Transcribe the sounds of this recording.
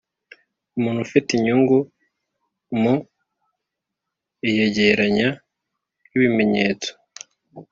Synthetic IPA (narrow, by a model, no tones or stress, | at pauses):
umuːn̥hufitiɲuːŋɡu | mu | ijeɟeɾaɲa | iβime̞ɲe̞ːt͡so̥